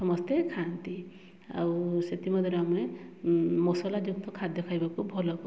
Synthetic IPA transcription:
sɔmɔst̪ʰekʰant̪i | a̰wset̪imɔd̪ʱiɾame | mɔsɔlad͡ʒuk̚t̪ʰɔkʰad̪dekʰajbakubʱɔlɔku

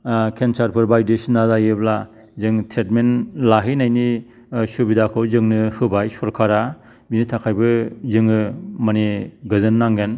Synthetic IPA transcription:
kʰent͡ʃaɾpʰɯɾbajdesinazajɯbla | zɯŋtʰɾetmenlaɦɯjnajni | subidakʰɯwzɯŋnɯhɯbajsɔɾkʰaɾa | binitʰakʰajbɯzɯŋɯmaniɡɯzɯnːaŋɡen

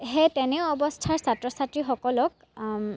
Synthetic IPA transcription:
ɦetɛnɛɔbɔstʰaɹsatɹɔsatɹixɔkɔlɔk̚

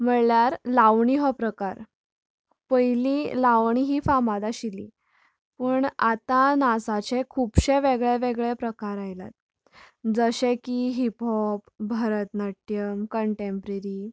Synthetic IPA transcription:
m̤əɭljaɾlaʋɳiɦɔpɾəkaɾ | pəjlilaʋɳ̃iɦiːfamad̪aɕilḭː | pəːɳat̪anasat͡ɕekʰupɕeʋeɡɭeʋeɡɭepɾəkaɾajla̰t̪̚ | d͡zəɕekiɦipɔpbʱəɾət̪nəʈjəmkəɳʈempɾeɾi

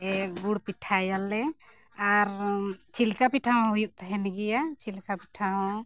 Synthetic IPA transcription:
ɛɡuɽpiʈʰajalːɛ | aɾt͡ʃʰilkapiʈʰaɔ̃ɦujuʔ̚t̪aɦɛnɛɡɛjat͡ʃʰilkapiʈʰaɦɔ̃

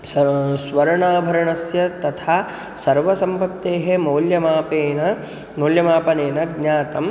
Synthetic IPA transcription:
sʋɐɾɳaːbʱɐɾɐɳɐsjɐt̪ɐt̪ʰaː | sɐɾʋɐsɐmpɐtt̪ːeːɦemoːljɐmaːpeːnɐ | moːljɐmaːpɐneːnɐɡɲaːt̪ɐm

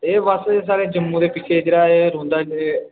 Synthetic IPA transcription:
eːʋəses̬aːɽeːd͡ʒəmːũːd̪eːpɪt͡ʃʰeːd͡ʒeːɽaːeːɾõːnd̪aː

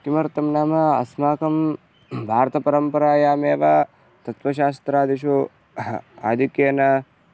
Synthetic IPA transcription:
k̪imɐɾt̪ɐmnaːmɐɐ̰smaːkɐm | bʱaːɾt̪ɐpɐɾɐmpɐɾaːjaːmeːʋa | t̪ɐt̪ʋɐʃ̬aːst̪ɾaːd̪iʃu | a̰ːd̪ʱikjeːnɐ

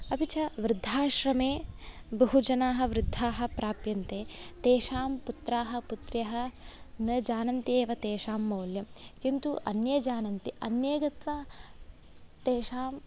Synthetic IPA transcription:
ɐpit͡ʃʰɐʋɾɪd̪ʱːaːʃɾɐmeː | bɐɦud͡ʒɐnaːɦɐ̆ʋɾɪd̪ʱːaːɦɐ̆pɾaːpjɐnt̪eːt̪eːʃaːmput̪ɾaːɦɐ̆put̪ɾjɐɦɐ̆nɐd͡ʒaːnɐnt̪ieːʋɐt̪eːʃaːmːɐːljɐmkint̪uʔɐnjɐd͡ʒaːnɐnt̪iʔɐnjeːɡɐt̪ʋɐ | t̪eːʃaːm

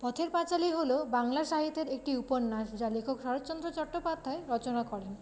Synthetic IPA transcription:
pɔt̪ʰeɾpat͡ɕaliɦolobaŋlaʃaɦit̪ːeɾek̚ʈiuponːaʃd͡ʑalekʰokʃɔɾot͡ɕɔnd̪ɾot͡ɕɔʈːopad̪ʱaeɾɔt͡ɕonakɔɾen

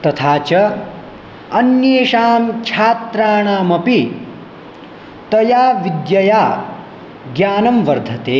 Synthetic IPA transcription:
t̪ɐt̪ʰaːt͡ʃɐ | ɐnjeːʃaːmkt͡ʃʰaːt̪ɾaːɳaːmɐpi | t̪ɐjaːʋid̪jɐjaː | ɡjaːnɐmʋɐɾd̪ʱɐt̪eː

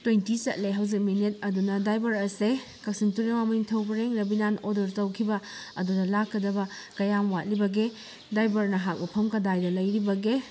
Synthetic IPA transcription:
tojntisɐt̚leɦawzik̚minet̚ɐdunɐdajbɐɾɐse | kɐk̚sintuɾemamɐiŋtʰɐwbɐɾeŋɾɐbinanodɐɾtɐwkʰibɐɐ̰dunɐlakːɐdɐbɐ | kɐjamwat̚libɐɡe | dajbɐɾnɐɦak̚bɐpʰɐmkɐdajdɐlɐjɾibɐɡe

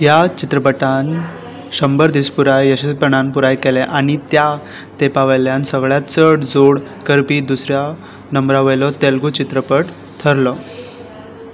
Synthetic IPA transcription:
jat͡ɕit̪ɾəpəʈan | ɕəmbəɾd̪ispuɾajəɕespəɳanpuɾajkeleʔaɽ̃it̪ja | t̪epaʋəjljansəɡɭjat͡səɽd͡zoɽkəɾpiːd̪usɾja | nəmbɾaʋəjlɔt̪elɡut͡ɕit̪ɾəpəʈ | t̪ʰəɾlɔ

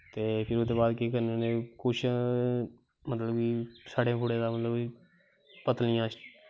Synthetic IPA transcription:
t̪eːpʰɪɾʊd̪eːbaːd̪keːkəɾnenekoʃ | mət̪ləbiːsaːɖẽːpʰʊɽeːd̪aːmət̪ləbi | pət̪lɪjãːʃ

